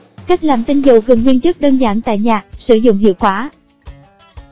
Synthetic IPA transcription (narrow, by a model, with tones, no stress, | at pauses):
ka˦˥jk̚laː˨˩mt̪ï˧ŋzu˨˧˩ɣɨ˨˩ŋwi˧ənt͡ɕɨ˦˥k̚ɗəː˧nzaː˧˩˦nt̪a̰ː˧˨jɲaː˨˩k̚sɨ˧˩˦zʊ̰˧˨ŋ͡mhḭ˧˨əwkwaː˧˨˦